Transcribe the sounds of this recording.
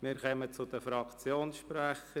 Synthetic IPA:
mɪɾkœmət͡sʊd̥̪əfɾɑkt͡sjoːnsʃpɾæχə

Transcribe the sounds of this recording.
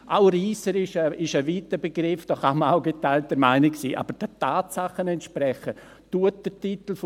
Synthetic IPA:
ʔaʊɾiːsəɾɪʃəɪʃəviːtəbeɡɾɪfd̥ɔχaməaʊɡetaɪlt̚dəɾmaɪnɪksḭːʔɑ̰b̥əɾd̥ətaːtsaχənɛntʃpɾɛçə | tuət̚d̥ətitl̩f

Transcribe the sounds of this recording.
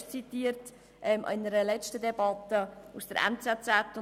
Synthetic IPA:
t͡sitiːəɾt | ʔɛmʔɪ̰nəɾəlɛt͡ʃtədɛbɑtːəusd̥əɾʔɛ̰nt͡sɛt͡sɛtːʊ

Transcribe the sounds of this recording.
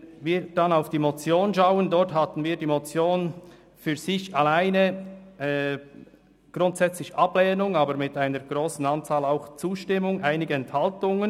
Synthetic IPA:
viːɾd̥anaʊfd̥iːmot͡sjoːnʃaʊəndɔrthatən̩viːdiːmot͡sjoːn | fyːɐz̥ɪçalaɪnə | ɡ̥ʁʊntsɛt͡slɪçʔablɛːnʊŋaːbəɾmɪtaɪnəɾɡ̥ʁoːsn̩ant͡saːlaʊxt͡suːʃtɪmʊŋʔaɪnɪɡəɛnthaltʊŋən

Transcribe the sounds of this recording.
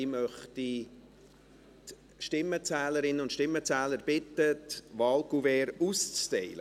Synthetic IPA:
ɪmœχti | t | ʃtɪmːət͡sæːləɾɪnəʊntʃtɪmːət͡sæːləɾb̥ɪt̪ətʋɑːlkuvɛːɾust͡stɛɪlə

